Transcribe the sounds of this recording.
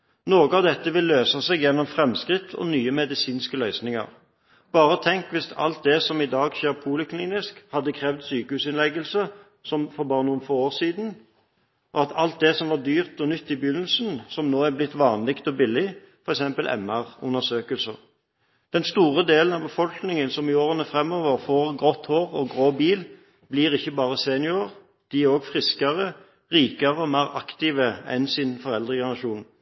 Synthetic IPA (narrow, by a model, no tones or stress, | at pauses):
noːɡəɑʋd̪ɛt̪ːəʋɪlːøːsɑsɛɡjɛnːɔmfʁɛmskʁɪt̪ʰːɔ̰nyːəmɛd̪ɪsiːnskəlœʏsnɪŋə̰ʁ | b̥ɑːɾəɔt̪ʰɛŋkʋɪsɑ̰lt̪̚d̪ɛsɔmɪd̪ɑːɡʃeːʁpʰuːlɪkʰliːnɪskhɑd̪ːəkʰʁɛːʋd̪syːkəhʉːsɪnlɛɡəlsə | sɔmfɔbɑːʁənuːənfoːoːʁsiːd̪n̩ | ʔɔɑt̪ʰɑlt̪̚d̪ɛsɔmʋɑd̪yːʁt̪ɔnʏt̪ːɪbjʏnːəlsn̩sɔmnoːæblɪt̪ːʋɑːnlɪkt̪ɔbɪlːɪ | fɔɾɛksɛmpəlʔɛ̰mːəʁʊ̰nːəsøːkəlsə̰ʁ | d̪̥ɛnst̪uːʁəd̪eːlən̩ɑbəfɔlknɪŋənsɔmɪoːʁənəfʁɛmːoːʋəʁfoːʁɡʁɔt̪hoːʁɔɡʁoːbiːl | b̥liːʁɪçːəbɑːʁəseːnɪʊəʁ | d̪̥ɪoːɡfʁɪskəʁə | ʁiːkəʁəɔmæɪʁɑkt̪iːʋəɛ̰nsɪnfɔʁɛld̪ʁəɡənɑʃuːn